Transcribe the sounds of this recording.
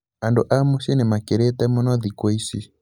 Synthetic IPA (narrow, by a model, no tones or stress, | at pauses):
andoʔamɔsɛnɛmakɛɾɛtamɔnaðikɔisi